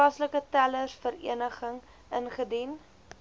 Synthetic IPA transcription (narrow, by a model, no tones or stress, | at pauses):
ɑsləkətæləsfəɾḭənəχəŋ | ənχədin